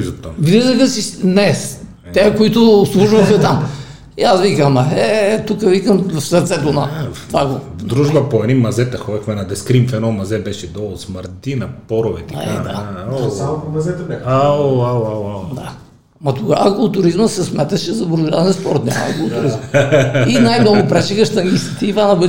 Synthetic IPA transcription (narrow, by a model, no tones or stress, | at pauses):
izɐt̪ːaɡɾizəxəsisnɛs | t̪ɛkoit̪ʊslˠuʒvɐxɐt̪am | iasvikəmɐɛt̪ukəvikəmfsɐɾt̪sɛt̪onɐvaɡovd̪ɾuʒbɐpoɛnimɐzɛt̪ɐxɔd̪ʲɐxmɛnɐd̪ɛskɾimfɛnɔmɐzɛbɛʃɛd̪ɔlˠosməɾt̪inɐpɔɾovɛt̪ɐa̰kaɛ̰aamɐzɛt̪aaawad̪a̰ | mɐt̪ʊkaaklˠt̪ʊɾizməsɛsmɛt̪ɐʃɛzɐbɾʊʒazɛnspɔɾt̪nʲa̰mɐ̰ɐ̰ɡlˠt̪ʊɾizminajmnɔɡʊpɾɛt͡ʃɛkəʃt̪ɐnisit̪iːvanɐbə